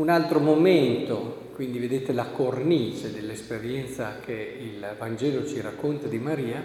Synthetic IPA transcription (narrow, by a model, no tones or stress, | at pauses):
unalt̪ɾomoment̪okwind̪ived̪eːt̪elakornit͡ʃed̪elːespeɾjɛnt̪sakʰe | ilvand͡ʒɛːlot͡ʃiɾakːont̪ad̪imaɾiːa